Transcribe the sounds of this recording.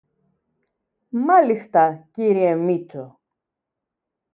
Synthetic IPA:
mɐlist̪ɐciɾiemit͡so

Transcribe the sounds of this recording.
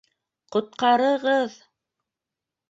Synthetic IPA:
qŏt̪̚qɑɾɤ̆ʁɤð

